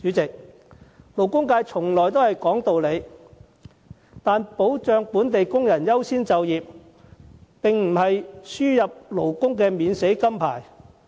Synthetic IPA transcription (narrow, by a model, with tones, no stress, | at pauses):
t͡ʃyː˨˥t͡sɪ˨k̚ | lo˨˩wkʊ˥ŋkaː˧jt͡ʃʰʊ˨˩ŋlɔː˨˩jt̪̬o˥whɐ˨jkɔː˨˥ŋt̪o˨˧wle˨˧j | t̪aː˨˧npo˨˥wt͡ʃœː˨˧ŋpuː˨˥nt̪e˨jkʊ˥ŋjɐ˨˩njɐ˥wsiː˥nt͡sɐ˨wjiː˨p̚ | pɪ˨ŋm̩˨˩hɐ˨jsyː˥jɐ˨p̚lo˨˩wkʊ˥ŋkɛː˧miː˨˧nse˨˥jkɐ˥mpʰa̰ː˨˩j